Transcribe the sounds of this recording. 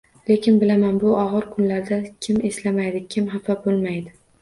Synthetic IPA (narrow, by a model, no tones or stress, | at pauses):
le̞kʲʰɪnbɪlamanbʊʔɒʁɨɾkʰʊnlaɾd̪akʲʰɪme̞slamajd̪ɪkʲʰɪmɦafabolˠmajd̪ɪ